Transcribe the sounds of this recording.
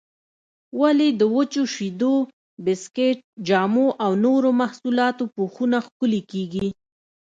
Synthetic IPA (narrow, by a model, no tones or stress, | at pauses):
waled̪əwət͡ʃoʃid̪o | bɪskeʈ̚d͡ʒɑmoʔawnoɾomahsulɑt̪opoxunaxkʊlekeɡi